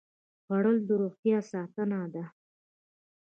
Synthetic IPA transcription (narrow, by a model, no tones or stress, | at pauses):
paɽəld̪əɾoχt̪jɑsɑt̪ənad̪a